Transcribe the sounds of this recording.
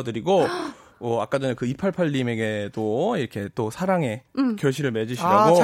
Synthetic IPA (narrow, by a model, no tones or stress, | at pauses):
dɯɾiɡo | ʌak͈ad͡ʑʌnekɯipʰaɭpʰaʎːime̞ɡe̞t͈oiɾʌkʰe̞t͈osʰaɾaŋe̞kjʌɭɕʰiɾɯɭme̞d͡ʑuɕʰiɾaɡo